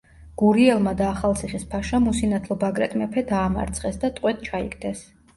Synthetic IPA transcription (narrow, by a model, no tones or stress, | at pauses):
ɡ̥uɾiɛlˠmad̪aːχalˠsʰiχispʰaʃamusinat̪ʰlˠɔbaɡɾɛt̪ʼmɛpʰɛd̪aːma̰ɾt̪sʰʼχɛsd̪at̪ʼqʼwɛt̪̚t͡ʃʰaḭkd̪ɛs